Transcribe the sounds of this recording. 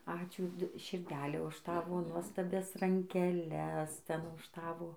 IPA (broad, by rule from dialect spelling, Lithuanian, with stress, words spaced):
ˈɑːt͡ʃʲuː ʃʲɪrʲˈdʲæːlʲɛ ʊʃ ˈtɑːʋoː nuɔstɐˈbʲɛs rɐŋʲkʲɛˈlʲɛs ˈtʲɛn ʊʃ ˈtɑːʋoː